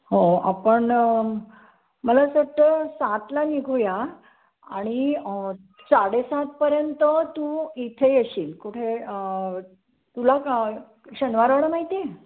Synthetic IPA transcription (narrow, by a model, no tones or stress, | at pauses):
ɦoa̰pəɳ | məlasəʈ̪ːəsãt̪laniɡʱuja | aɽ̃i | saɽesãt̪̚pəɾjənt̪ət̪ũit̪ʰejeɕiːlkuʈʰeə | t̪ula | ɕənʋaɾʋəɽəmaɦit̪e